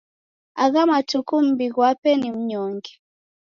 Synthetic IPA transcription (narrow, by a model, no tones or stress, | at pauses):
aɣamatukum̩biɣwapɛnim̩ɲɔŋɡɛ